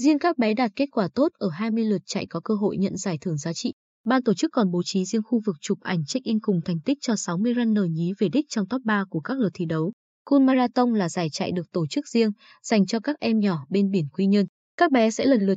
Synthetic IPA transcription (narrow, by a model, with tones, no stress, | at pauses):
zi˧ənkaː˦˥k̚ɓɛ˨˦ɗaː˨˩t̚ke˦˥t̚kwaː˧˩t̪o˦˥t̚ʔəː˧˩ɦaː˧jmɨ˧əjlə˨˩t̚t͡ɕa̰˧˨jkɔ˨˦kəː˧ɦo̰˧˨jɲə̰˧˨nzaː˧˩jt̪ʰɨ˧˩əŋzaː˨˦t͡ɕḭ˧˨ | ɓaː˧nt̪o˧˩t͡ɕɨ˦˥kːɔ˨˩nɓo˨˦t͡ɕi˨˦zi˧əŋxu˧vɨ˨˩k̚t͡ɕʊ˨˩p̚ʔa˨˩jŋ̟t͡ɕa˦˥k̚ʔi˧nkʊ˨˩ŋ͡mt̪ʰa˨˩jŋ̟t̪ï˦˥k̚t͡ɕɔ˧sa˨˦wmɨ˧əjza˧nːəː˨˩jŋi˨˦ve˨˩ɗi˦˥k̟̚t͡ɕɔ˧wŋ͡mt̪ɔ˦˥p̚ɓaː˧ku˧˩əkaː˦˥k̚lə˨˩t̪ʰi˧˩ɗə˨˦w | ku˧nmaː˧zaː˧t̪ə˧wŋ͡mlaː˨˩zaː˧˩jt͡ɕa̰˧˨jɗɨ˨˩ək̚t̪o˧˩t͡ɕɨ˦˥k̚zi˧əŋ | z̥a˨˩jŋ̟t͡ɕɔ˧kaː˦˥k̚ʔɛ˧mɲɔ˧˩ɓe˧nɓi˧˩ənkwi˧ɲə˧n | kaː˦˥k̚ɓɛ˨˦sɛ̰˧˥lə˨˩nlɨ˨˩t̚